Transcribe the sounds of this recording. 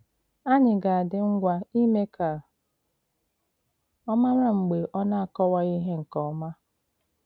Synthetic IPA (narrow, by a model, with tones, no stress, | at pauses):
a˦ɲɪ˨ɡa˨a˨dɪ˦ŋ͡m̩˦ɡʷa˦i˦me˦kʰa˨ | ɔ˦ma˦m˦a˦ŋ͡m̩˨ɡ͡be˨ʔɔ˦na˦a˨kɔ˦wa˦i˦ɦe˦ŋ̩˨kɔ˨˦ma˦